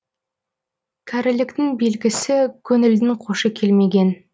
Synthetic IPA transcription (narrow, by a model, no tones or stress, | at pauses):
kʲʰæɾɪlɪkt̪ɪŋbe̞lɡʲɪsɪkʲʰɵnɪld̪ɪŋqʰoʃəkʲʰe̞lme̞ɡʲe̞n